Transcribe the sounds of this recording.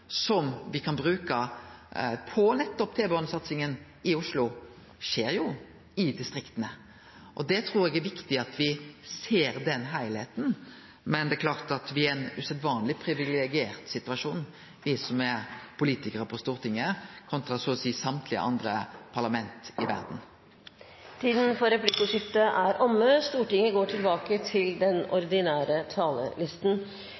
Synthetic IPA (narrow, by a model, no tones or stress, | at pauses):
sɔmʋɪkʰɑnbɾʉːkə | pʰɔnɛt̪ːɔpt̪ʰeːbɛɔnəsɑt̪sɪŋən | ɪʊʂlʊ | ʂeːɾjʊ | ɪd̪ɪst̪ɾɪkt̪ənə | ʔɔd̪ɛt̪ʰɾuːɾɛɡæɾʋɪkt̪ɪɑt̪ʋɪseːɾd̪ɛnɦæɪlheːt̪n̩ | mɛnd̪ɛkʰlɑːʁt̪ɑt̪ʋɪæɛnʉsɛd̪ʋɑːnlɪpʰɾɪʋɪlɛɡɪeːɾt̪sɪt̪ʉɑʂuːn | ʋɪsɔmɛpʰʊliːt̪ɪkəɾəpʰɔst̪uːʁɾʈ̪ɪŋːəkʰɔnt̪ɾɑsoːsiːsɑmt̪ʰlɪə̰ʔɑ̰nd̪ɾəpʰɑʁlɑmɛnt̪ɪʋæ̰ɾd̪n̩ | t̪ʰiːd̪n̩fɔɾɛplɪkʊʂɪt̪əʔæɾʔɔmːəst̪uːʈɪŋːəɡoːʈʰɪlbɑːkət̪ʰɪld̪ɛnɔɾd̪ɪnæːɾət̪ʰɑːlə̰lɪst̪n̩